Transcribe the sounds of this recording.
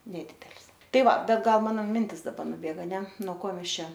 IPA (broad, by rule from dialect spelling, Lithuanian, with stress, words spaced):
nʲɛˈdʲiːdʲɛlʲs ˈtɐɪ ˈʋɐ ˈbʲɛt ˈɡɐlˠ ˈmɑːnoː ˈmʲɪnʲtʲɪs dɐˈbɐr nʊˈbʲeːɡɐ ɐˈnʲɛ noː ˈkoː ˈmʲɛs ˈt͡ʃʲɛ